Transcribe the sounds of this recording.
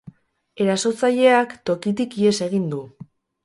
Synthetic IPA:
e̞ɾaso̞t͡saʎe̞akt̪o̞kit̪̬ikie̞se̞ɣ̞ind̪u

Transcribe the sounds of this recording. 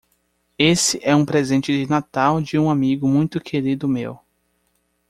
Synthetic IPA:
esɪʔɛũpɾezẽnt͡ʃɪd͡ʒɪnat̪awd͡ʒɪũamiɡʊmũj̃t̪ʊkʰeɾid̪ʊmḛw

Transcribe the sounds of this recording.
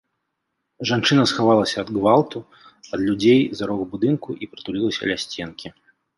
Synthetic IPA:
ʐant͡ʂɨnɐsxavalˠɐsʲɐːd̪ɡvalˠt̪u | ɐd̪lʲud͡zʲejzaɾɔɣbud̪ɨnkuʔipɾɨt̪ulʲilˠɐsʲɐ̰lʲasʲt͡sʲɛnkʲi

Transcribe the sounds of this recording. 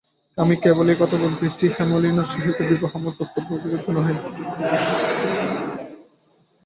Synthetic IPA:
amikebolejkɔt̪ʰobolt̪et͡ɕʰihɛmolinoɾʃiɦit̪ebiboɦamoɾp̪ot̪ːobːokoɾed̪ʰʱonɔɦen

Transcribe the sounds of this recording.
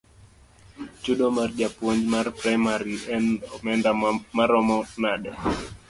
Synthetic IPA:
t͡ʃuɗɔmard͡ʒapɔɲd͡ʒmarpɾajmaɾiɛnɔmɛndamaɾɔmɔnaɗɛ

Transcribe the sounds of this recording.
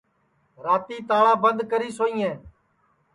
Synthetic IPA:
ɾaːt̪iːt̪aːɭãːbənd̪kəɾiːsoːĩːẽː

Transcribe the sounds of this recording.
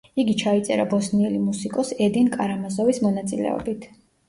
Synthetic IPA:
iɡit͡ʃʰait̪sʼɛ̰ɾa̰bɔsniɛlimusikʼɔsɛd̪inkʼaɾamazɔvismɔnat̪sʼilɛ̰ɔ̰bit̪ʰ

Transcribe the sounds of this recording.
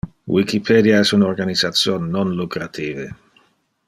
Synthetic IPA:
wikipʰɛd̪jaɛsunorɡanizat̪sjoːnːonlukɾat̪ʰiːve

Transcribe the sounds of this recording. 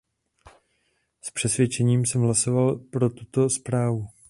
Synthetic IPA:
spr̝̥ɛsvjɛt͡ʃɛɲiːmsɛmɦlaso̞valpɾo̞t̪ut̪o̞spɾaːvu

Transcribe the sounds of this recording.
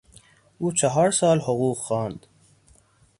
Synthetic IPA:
ʔuːt͡ʃʰæɦɒːɾsɒːlhoɣuːqxɑːnd̪̥

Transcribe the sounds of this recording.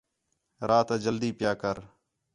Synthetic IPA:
ɾʔaːt̪ːd͡ʒəld̪iːpjaːkəɾ

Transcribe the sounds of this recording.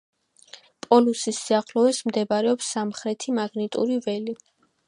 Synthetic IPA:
pʼɔlusisiaχlɔɛsmd̪ɛbaɾɛɔpsːamχɾɛt̪ʰimaɡnit̪ʼṵɾivɛli

